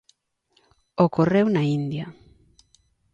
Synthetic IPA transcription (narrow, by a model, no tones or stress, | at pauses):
okorewnaind̪ja